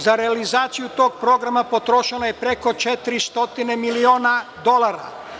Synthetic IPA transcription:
zaɾealizaːt̪sijut̪o̞ːɡ̚pɾo̞ɡɾamapo̞t̪ɾo̞ʃelajepɾeko̞t͡ʃet̪iɾist̪o̞t̪ine̞milio̞ːnad̪o̞lˠaɾa̰

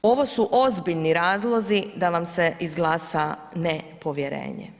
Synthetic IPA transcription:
o̞ʋo̞suʔozbiʎniɾaːzlˠo̞zid̪aʋamseʔizɡlˠaːsa | nepo̞ʋjeɾḛːɲḛ

